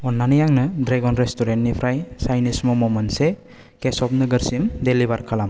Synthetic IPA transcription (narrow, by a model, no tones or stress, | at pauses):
ɔnːanijaŋnɯdɾeɡɔnɾestuɾentnipʰɾajsajnismɔmɔmɐnse | kesɔp̚nɯɡɐɾsimdelibaɾkʰalam